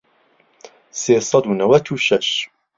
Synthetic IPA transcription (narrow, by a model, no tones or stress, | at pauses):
seːsˤɑd̪unɐwɐt̪ʰuːʃɐʃ